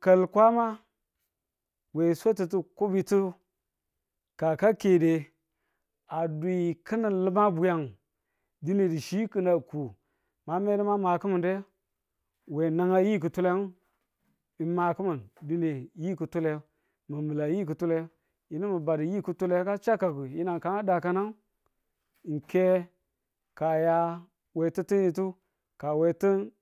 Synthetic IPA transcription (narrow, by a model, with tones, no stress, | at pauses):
ka˨lkʷa˦ma˦ | we˨so˦ti˨tu˦ku˦bi˨tu˦ | ka˨ka˦ke˨de˨ | a˨du˨i˨kɨ˦na˨lɨ˦ma˦bu˨ja˨ŋ | di˦ne˨di˨ʃi˦kɨ˦na˨ku˨ | ma˨me˦di˦ma˦ma˨ku˦mu˨nde˦ | we˨na˦ŋa˦ji˦k̬ɨ˨tu˦le˦ | i˨ma˨ku˦mə˨ndi˦ne˨ji˦ku˨tu˦le˦ | mə˨mɨ˨la˨ji˦k̬u˨tu˦le˦ | ji˨˦ni˦mə˨ba˨di˨ji˦ku˦tu˦le˦ka˦t͡ʃa˦ka˨ku˨ji˦na˨ŋka˨na˦da˨ka˦na˦ŋ˨ | ŋ̩˨ke˦ | ka˨ja˦ | we˨ti˦ti˦n˦i˨t̬u˦ | ka˨we˨tə˦